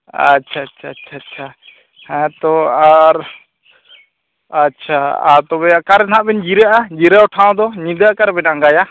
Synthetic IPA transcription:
atːt͡ʃʰaːtːt͡ʃʰaːtːt͡ʃʰaːtːt͡ʃʰa | hãt̪ɔaɾ | atːt͡ʃʰaa̰ɾt̪ɔβɛjakaɾnʰãʔbɛnd͡ʒiɾəʔad͡ʒiɾawʈʰãw̃d̪ɔɲĩd̪əakaɾbɛnãŋɡaja

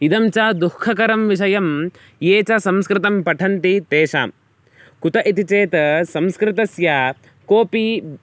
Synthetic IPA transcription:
id̪ɐmt͡ʃaːd̪ukʰːɐkɐɾɐmʋiʃɐjɐm | jeːt͡ʃɐsɐmskɾɪt̪ɐmpɐʈʰɐnt̪it̪eːʂa̰ːm | kut̪ɐʔit̪it͡ʃeːt̪ɐsɐmskɾɪt̪ɐsja | koːpi

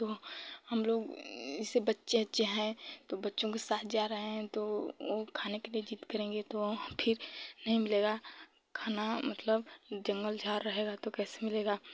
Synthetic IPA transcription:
t̪ohɐmloːɡɪsebɐtːʃẽɐtːʃeɦɛ̃t̪obɐtːʃõkesaːt̪ʰd͡ʒaːɾəɦẽɦɛ̃t̪oʋokʰaːnekelied͡ʒiːt̪kəɾẽːŋɡet̪opʰɪɾnɐɦĩmɪleːɡa | kʰaːnamɐt̪ləbd͡ʒɐ̃ŋɡəld͡ʒʱaːɾːəɦeːɡat̪okɛːsemɪleːɡaː

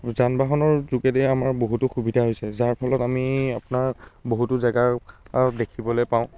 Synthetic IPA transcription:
zanbaɦɔnɔɹzuketɛamaɹboɦutʊxubidʱaɦojsɛzaɹpʰɔlɔtamiapnaɹboɦutʊzaɡadekʰibɔlojpaʊ̃

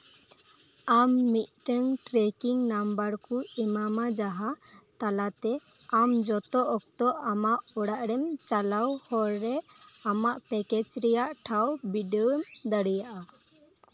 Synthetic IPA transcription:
amːit̪̚ʈəŋʈɾɛkiŋnambəɾkuimamad͡ʒaɦat̪alat̪ɛamd͡ʒɔt̪ɔʔɔk̚t̪ɔʔamaʔɔɽaʔɾɛmt͡ʃalawhɔɾːɛamaʔpɛkɛd͡ʒɾɛjaʔʈʰawbiɖomd̪əɽijaʔa

